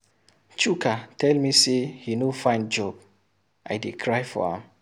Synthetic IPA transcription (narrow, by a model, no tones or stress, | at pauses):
t͡ʃukʰatɛlmisehinofãɪ̃n̚d͡ʒɔb | ʔa̰jdekʰɹajfɔ̰hã̰m